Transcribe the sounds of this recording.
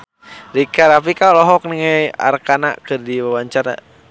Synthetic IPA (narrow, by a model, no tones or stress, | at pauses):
ɾikaɾap̬ikalɔɦɔk̚niŋaja̰rkana̰kɨrdiwawaɲt͡ʃaɾa̰